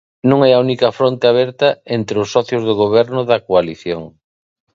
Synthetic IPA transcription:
nõŋɛɐunikɐfɾont̪ɪaβɛɾt̪ɐent̪ɾeʊsːɔθjʊzðoɣ̞oβ̞ɛɾnʊðɐkoaliθjoŋ

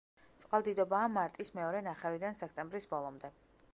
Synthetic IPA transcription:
t̪sʼqʼalˠd̪id̪ɔbaːmaɾt̪ʼismɛɔɾɛnaχɛɾid̪ansɛk̚ʰt̪ʼɛmbɾisbɔlˠɔmd̪ɛ

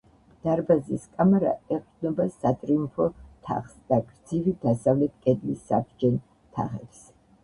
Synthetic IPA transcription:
d̪̥aɾbaziskʼamɛɾa̰ɛqʼd̪nɔbasat̪ʼɾimpʰɔt̪ʰa̰χsd̪̥aɡɾd̪zivid̪asavlɛt̪̚ʰkʼɛd̪lisːa̰b̚d͡ʒɛn | t̪ʰa̰χɛps

